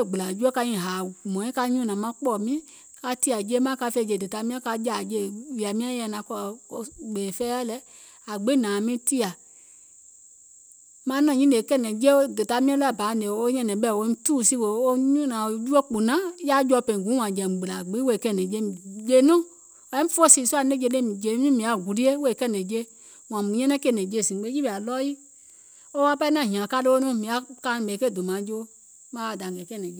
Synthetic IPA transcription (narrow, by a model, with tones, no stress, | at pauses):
ɡ͡bɨ˨la˨d͡ʒu˦o˦ka˧ɲĩ˦˨ɦaː˨mɔ̃˨ĩ˦ka˧˦ɲũ˦nã˨mã˧˦k͡pɔ˨mĩ˦ | ka˧ti˦a˨d͡ʒe˦mã˦ka˧fɛ˧˦˨d͡ʒe˧˨de˨ta˧˦mĩ˦ã˦ka˧d͡ʒa˨d͡ʒe˦˨wi˨a˨mĩ˦ã˦jɛ˧˨nã˨˦kɔ˧lɡ͡be˨fɛː˦a˦lɛ˦ | a˨ɡ͡be˦nãː˨mĩ˦ti˦a˨ | mã˦nɔ̃˧˨ɲĩ˦le˨kɛ˦˨nɛ̃˨d͡ʒe˦o˦də˨ta˧˦mĩ˦ã˦lɛ˧˦a˨ba˨˦˨e˨o˦ɲɛ̃˧˨nɛ̃˨˦ɓɛ˦˨wõ˧˦tuː˦˨si˧˦wo˨o˦ɲũ˦nã˨o˨d͡ʒu˦o˦k͡pu˨nã˦ja˦d͡ʒɔ˧˦pẽ˨ɡũ˨˦w̃ã˨d͡ʒɛ˨ɡ͡bɨ˨la˨ɡ͡bi˦wo˦˨kɛ˦˨nɛ̃˨d͡ʒe˦d͡ʒe˧˨˦nũ˦ | wa˨ɛ˦fo˦˨si˨su˦a˨˦ne˦d͡ʒe˧˦le˦˨mĩ˨d͡ʒe˧˨˦nĩ˦mĩ˨a˨ɡu˨li˦e˦wo˦˨kɛ˦˨nɛ̃˨d͡ʒe˦ | wã˨mũ˨ɲɛ̃˦nɛ̃˦ke˦˨nɛ̃˨d͡ʒe˧˦˨sĩ˨˦ɡ͡be˦d͡ʒi˦bi˨a˨lɔ˦ji˦ | o˦wa˦pa˦i˦nã˦˨ɦã˨ka˧˦lɨ˦o˦nũ˦mĩ˨a˨˦kã˧˦˨mɛ˨ke˦˨do˨mã˨˦d͡ʒo˦ | mã˨˦a˨da˨ŋ˨ɡɛ˨kɛ˦˨nɛ̃˨˦˨